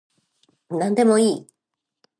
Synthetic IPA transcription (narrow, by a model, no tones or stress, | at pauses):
nãnd̪e̞mo̞iː